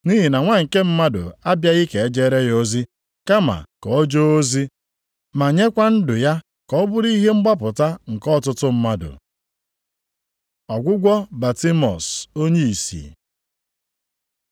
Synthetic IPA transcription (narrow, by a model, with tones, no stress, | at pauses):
ni˦ɦi˨na˨ŋʷa˦ŋ̩˨ke˦m̩˦ma˦dʊ̰˨a˦bja˦ɣi˦ke˨e˦d͡ʒe˦ɾe˦jo˦zi˦ | ka˦ma̰˨kɔ˨ɔ˦d͡ʒo˦o˦zi˦ | ma˨ɲe˦kʷa˦n̩˦dʊ˨ja˦ | kɔ˦bʊ˦ɾi˦ɦe˦ŋ͡m̩˦ɡ͡ba˦pʊ˨ta˦ŋ̩˨kɔ˦˨tʊ˦tʊ˦m̩˦ma˦dʊ̰˨ | ɔ˨ɡʷʊ˦ɡʷɔ˦ba˨ti˦mɔ̰˨so˦ɲe˦i˨sḭ˨